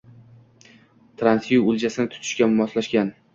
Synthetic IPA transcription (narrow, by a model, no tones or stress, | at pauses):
t̪ʰɾansjuʊld͡ʒasɪnɪt̪ʰʊ̥t̪ʰɪ̥ʃkʲamɒslaʃkʲan